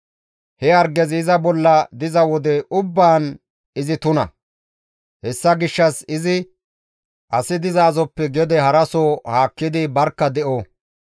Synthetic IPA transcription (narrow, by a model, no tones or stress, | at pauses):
hɛɐɾɡɛzɪzɐbɔlːɐd̪ɪzɐwɔd̪ɛʔʊbːaːn | ɪzɪt̪ʊnɐ̰ | hɛsːɐɡɪʃːɐsɪzɪ | ʔɐsɪd̪ɪzaːzɔpːɛɡɛd̪ɛhɐɾɐsoːhaːkːɪd̪ɪbɐɾkːɐd̪ɛʔo